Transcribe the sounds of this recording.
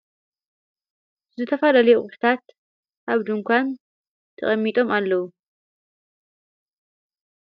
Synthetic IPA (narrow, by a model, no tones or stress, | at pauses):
zɨt̪ʰɐfɐlalɐjuʔʼʊħt̪ʰat̪̚ | aβd̪ɨŋkʷʰan | t̪ʰɐ̰χʼɐmːit̪ʼo̞malːɐwu